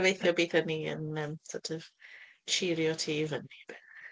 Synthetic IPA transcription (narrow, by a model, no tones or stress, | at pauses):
vejθjɔbiːθəniə̰nəmsɔtʰəv | ʃiɾjɔtʰiːvənib̥